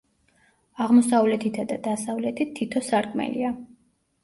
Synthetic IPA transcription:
aʁmɔsavlɛt̪ʰit̪ʰad̪ad̪asavlɛt̪ʰit̪ʰːit̪ʰɔsaɾkʼmɛ̰lḭa

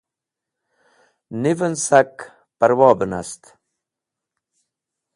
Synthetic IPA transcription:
nivənsak | pɐɾwɑːbəna̰st̪

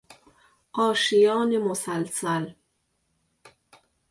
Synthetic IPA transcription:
qɑːʃijɑːnemʊsalsal

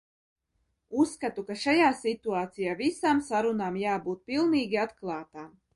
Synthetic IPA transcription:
usːkat̪ukaʃajaːsit̪uaːt̪sijaːvisaːmsaɾunaːmjaːbuːt̪̚pilˠniːɡʲiat̪klˠɑːt̪aːm

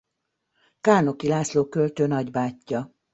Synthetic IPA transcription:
kaːno̞kilaːsloːkølt̪øːnɒɟbaːcːɒ

